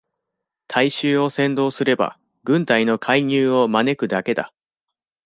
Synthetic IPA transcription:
t̪ʰaiɕɨːo̞sẽ̞nd̪o̞ːsɨɾe̞ba̰ | ɡɯ̟̃nt̪aino̞kʰaiɲ̟ɨːo̞mane̞kɯ̟d̪ake̞d̪a̰

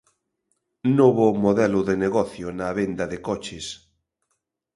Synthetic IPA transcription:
noβʊmoðɛlʊðeneɣɔθjʊnaβend̪ɐðekɔt͡ʃes

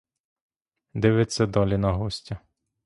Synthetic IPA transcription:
d̪ɪʋɪt͡sʲsʲɐd̪ɔlʲinɐɦɔsʲtʲɐ

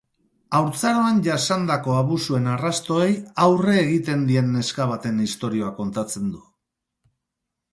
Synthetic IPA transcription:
awɾt͡saɾoanʝasand̪ako̞aβusue̞narast̪o̞e̞jawre̞ːɣ̞it̪e̞nd̪ie̞nːe̞skaβ̞at̪e̞nist̪o̞ɾio̞ako̞nt̪at͡se̞nd̪u

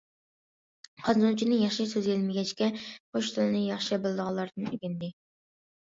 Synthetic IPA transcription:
qʰɑnzunt͡ʃʰinɨjɑχʃɨsøzjelmɪɡʲɛt͡ʃkʲɛχoʃt̪ʰɨlˠɨnɨjɑχʃɨbɨlˠɨd̪əʁɑlˠːɑɾd̪ɨnyɡʲind̪ɪ

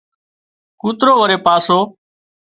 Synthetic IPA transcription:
kuːt̪ɾoːʋəɾeːpaːsoː

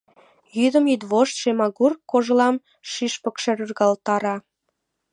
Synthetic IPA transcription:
jyd̪əmid̪βoʃt̪ʃemɑɣurkoʒəlɑm | ʃiʃpə̆kʃeɾyrɣɑlt̪ɑɾɑ

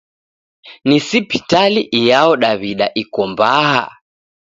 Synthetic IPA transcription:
nisipi̥taliʔijaɔɗaβiɗaʔikɔmbaɦa̰

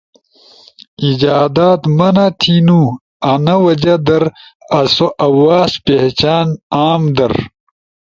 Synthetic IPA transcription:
id͡ʑaːd̪aːt̪mɐnat̪ʰinu | ɐnɐwɐd͡ʑɐd̪ɐɾɐsoʔɐwaːspeht͡ɕaːnaːmd̪ɐ̰ɾ

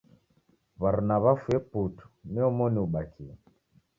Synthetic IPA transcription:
βaɾnaβafwɛputu̥mɛɔmɔniuɓakʰiɛ

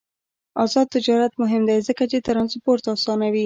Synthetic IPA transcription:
ɑzɑd̪̚t̪ːɪd͡ʒɑɾat̪mʊɦɪmd̪ajzəkat͡ʃet̪aɾanzpoɾt̪aːsɑnawi

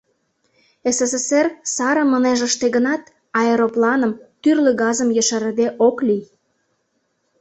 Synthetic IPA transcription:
esesesersɑɾə̆məneʒə̆ʃt̪eɣənɑt̪ | ɑeɾoplɑnə̆mt̪yrløɡɑzəmjəʃəɾəd̪eʔoklij

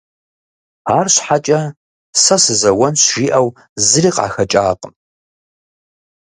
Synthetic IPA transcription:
aːrɕħat͡ʃʼɐ | sɐsɨzɐwɐnɕʒiʔɐw | zɨriːqa̰ːxɐt͡ʃʼaːqʼən

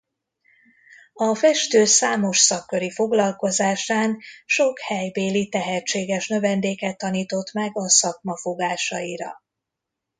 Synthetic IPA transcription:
ɒfɛʃt̪øːsaːmo̞ʃsɒkːø̞ɾifo̞ɡlɒlko̞zaːʃaːnʃo̞khɛjbeːlit̪ɛɦɛt͡ʃːeːɡɛʃnø̞vɛnd̪eːkɛt̪ːɒniːt̪o̞t̪mɛɡɒsɒkmɒfo̞ɡaːʃɒiɾɒ̰

